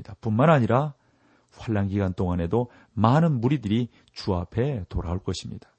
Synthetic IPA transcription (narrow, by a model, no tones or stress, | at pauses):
id̥apunmanɦaɲiɾa | ɸwaɭːaŋɡiɡant͈oŋane̞do | manɯnmuɾidɯɾi | t͡ɕuapʰe̞toɾaoɭk͈ʌɕʰimɲḭd̥ḁ